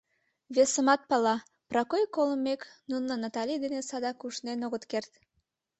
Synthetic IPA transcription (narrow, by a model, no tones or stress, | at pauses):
βesəmɑt̪̚pɑlɑ | prɑkojkoləmːeknunːənɑt̪ɑlʲid̪enesɑd̪ɑkuʃnenoɣət̪kert̪